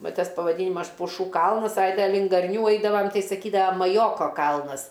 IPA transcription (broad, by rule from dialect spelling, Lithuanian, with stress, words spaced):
ˈʋɐ ˈtɐs pɐʋɐˈdʲiːnʲɪmɐs pʊˈʃuː ˈkɐlˠnɐs ɐɪ ˈtʲɛn lʲɪŋk ɡɐrʲˈnʲuː ˈɐɪdɐʋɐm ˈtɐɪ sɐˈkʲiːdɐʋɐ mɐˈjoːkoː ˈkɐlˠnɐs